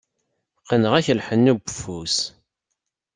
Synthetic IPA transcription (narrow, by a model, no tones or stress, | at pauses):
qənəʁæçəlħənːubəfus